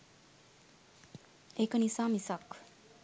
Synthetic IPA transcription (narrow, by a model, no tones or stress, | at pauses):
ekənisaːmisak